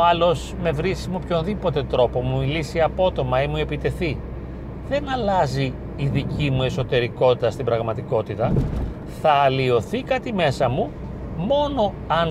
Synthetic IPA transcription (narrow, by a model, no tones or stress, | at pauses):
ɐlo̞s | me̞vɾisimo̞pço̞nðipo̞t̪e̞t̪ɾo̞po̞mumilisiɐpo̞t̪o̞mɐimue̞pit̪e̞θi | ðe̞nɐlɐziː | ðicimue̞so̞t̪e̞ɾiko̞t̪it̪ɐst̪ibɾɐɣmɐt̪iko̞t̪it̪ɐ | θɐːlio̞θikɐt̪ime̞sɐmu | mo̞no̞ | ɐn